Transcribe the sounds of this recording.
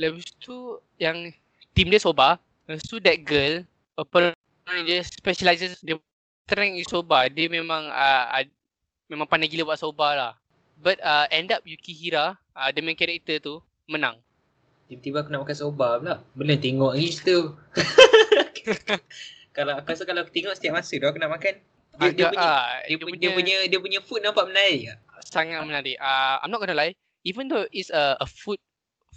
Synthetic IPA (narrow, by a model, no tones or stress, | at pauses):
lɛbist̪u | jaŋ | t̪imdiəsoba | ɛst̪udɛt̚ɡəl | əpə | ndəspɛʃəlajsəsdə | t̪ɾɛŋisobadəmẽmãŋaa̰ | mẽmãŋpanaɡiləbwaʔsobalah | bat̪̚əɛ̃ndap̚jukiɦiɾa | adamãŋkɛɾɛk̚t̪ət̪u | mənãŋ | dibət̪ibakunaʔmakansobablaʔbəlunt̪eŋɔʔɡist̪i | kalaakaskalaku̥t̪eŋɔʔsət̪iaʔ̚masədaakunaʔmakan | dədiəaʔuaiəuɲdiəpuɲədiəpuɲəfut̪̚nãmpaʔmənaɾiʔaʔsaŋat̪̚mənaɾiʔʔaa̰jmnɔt̚ʔ̚kənəlaj | ivə̃nd̪oʔitsəəfut̪̚